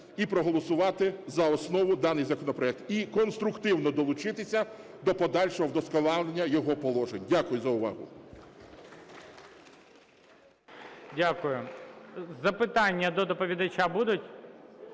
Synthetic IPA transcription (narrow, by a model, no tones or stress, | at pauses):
ipɾɔɦɔlˠɔsʊʋɑt̪ɪzɐɔsnɔʋʊd̪ɑnɪjzɐkɔnɔpɾɔɛk̚t̪ikɔnst̪ɾʊkt̪ɪwnɔd̪ɔlˠʊt͡ʃɪt̪ɪsʲɐ | d̪ɔpɔd̪ɑlʲʃɔɦɔwd̪ɔskɔnɑlˠenʲːɐjɔɦɔpɔlˠɔʒenʲdʲakʊjʊzɐʊʋɑ̰ɦʊ̰ | dʲakʊjʊ | zɐpɪt̪ɑnʲːɐd̪ɔd̪ɔpɔʋʲid̪ɐt͡ʃʲabud̪ʊtʲ